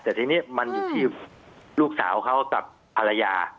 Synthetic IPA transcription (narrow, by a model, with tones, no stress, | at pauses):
t̪ɛː˨˩t̪ʰiː˧niː˦˥ma˧njuː˨˩t̪ʰiː˥˩luː˥˩k̚sa̰ː˩˦wkʰa˦˥wka̰˨˩p̚ʰːa˧ɾa˧jaː˧